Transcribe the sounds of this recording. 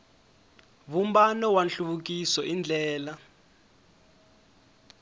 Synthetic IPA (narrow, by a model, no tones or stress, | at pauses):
βumbanɔwanɬuβuk̬isɔind͡ɮʱɛːla